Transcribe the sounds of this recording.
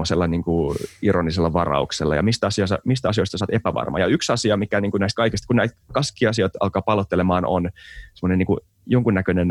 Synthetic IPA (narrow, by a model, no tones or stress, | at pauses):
oselːɑniːŋkuironiselːɑʋɑrɑ̰ukselːɑ̰jɑ̰mist̪æɑsiɑsɑ̰mist̪æɑsioist̪ɑsɑːt̪epæʋɑ̰rmɑ̰jɑyksɑsiɑmikæniːŋkunæist̪kɑikist̪kunnæit̪kɑskiːɑsioit̪ɑ̰lkɑːpɑlot̪ːelemɑːno̰nsemːŏnenːiːŋku | joŋkunːækønen